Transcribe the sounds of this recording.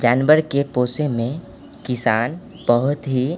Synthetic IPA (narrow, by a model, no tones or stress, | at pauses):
d͡ʒaːnʋəɾkepoːsemẽ | kɪsaːn | b̥əɦʊt̪ɦi